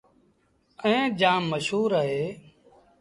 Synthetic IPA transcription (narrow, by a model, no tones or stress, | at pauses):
əẽːd͡ʒãːmːəʃɦuːɾəɦeː